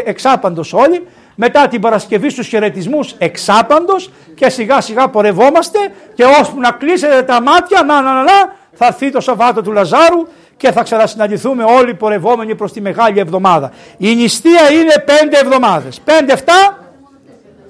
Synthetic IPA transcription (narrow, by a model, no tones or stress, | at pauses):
eksɐpɐnd̪o̞so̞ʎi | me̞t̪ɐt̪ibɐɾɐsce̞vist̪usçe̞ɾe̞t̪izmuse̞ksɐpɐnd̪o̞s | ce̞siɣɐsiɣɐpo̞ɾe̞vo̞mɐst̪e̞ | ce̞o̞spunɐklise̞t̪e̞t̪ɐmɐt̪çɐnɐnɐnɐlɐ | θɐɾθit̪o̞sɐvɐt̪o̞t̪ulɐzɐɾu | ce̞θɐksenɐsinɐnd̪iθume̞o̞lipo̞ɾe̞vo̞me̞nipɾo̞st̪ime̞ɣɐʎievðo̞mɐðɐ | inist̪iɐine̞pe̞nd̪eːvðo̞mɐðe̞spe̞nd̪eft̪ɐ